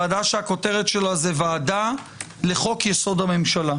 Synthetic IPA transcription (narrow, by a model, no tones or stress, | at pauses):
adaʃeako̞teʁet̪ʃe̞lazevaːda | le̞χo̞kjeso̞d̪ame̞mʃala